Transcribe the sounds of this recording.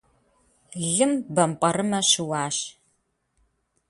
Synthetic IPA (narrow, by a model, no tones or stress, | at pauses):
ɮɨmbɐmqʼɐɾɨmɐɕɪwɑːʃ